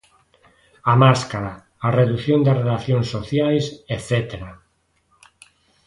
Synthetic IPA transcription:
amaskaɾaː | reðuθjond̪arelaθjõŋsːoθjajseθet̪eɾa

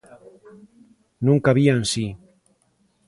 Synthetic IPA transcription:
nũŋkaβiansi

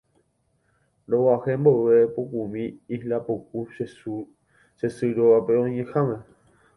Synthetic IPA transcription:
ɾowahemboʔepokumĩihlapoku | ʃesɨɾoapeõɲẽhãmẽ

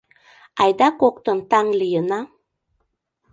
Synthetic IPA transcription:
ajd̪akok̚t̪ənt̪aŋlijəna

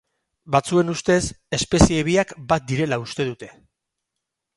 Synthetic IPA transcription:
bat͡sue̞nust̪e̞se̞spe̞sieːβ̞iakbat̪̚d̪iɾe̞laust̪e̞ðut̪e̞̥

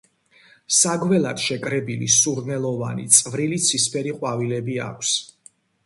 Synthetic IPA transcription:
saɡwɛlad̪̥ʃɛkʼɾɛbilḭsuɾnɛlˠɔva̰nḭt̪sʼvɾilit̪sʰispʰɛɾiqʼwavilɛbia̰kʷʰs

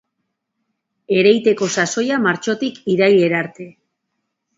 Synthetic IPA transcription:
e̞ɾe̞jt̪e̞ko̞saso̞jamaɾt͡ʃo̞t̪ikiɾaje̞ɾaɾt̪e̞

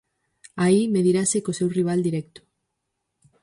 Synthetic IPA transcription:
aimeðiɾasekosewriβ̞ald̪iɾɛk̚t̪u̥

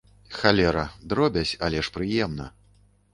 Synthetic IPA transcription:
xalʲɛɾɐd̪ɾɔbʲɐt͡sʲalʲɛʂpɾɨjɛmnɐ̰

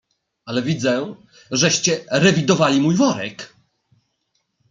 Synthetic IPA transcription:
alɛvʲid̪zɛ | ʐɛɕt͡ɕɛɾɛvʲid̪ɔvalʲimujvɔɾɛ̰k

